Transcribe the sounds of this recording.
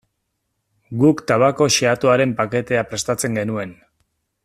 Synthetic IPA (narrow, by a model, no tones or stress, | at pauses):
ɡukt̪aβako̞ʃeat̪oaɾe̞mpake̞t̪e̞apɾe̞st̪at͡se̞ŋɡe̞nue̞n